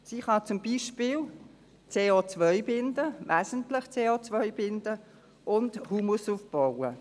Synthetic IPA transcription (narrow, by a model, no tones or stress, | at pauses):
siːχɑt͡sʊmbiːʃpiːl | t͡seːoːt͡svœʏbɪndəvɛːzən̩tlɪχt͡seːot͡svœʏbɪndə | ʔʊndhuːmusuːfb̥ɔwə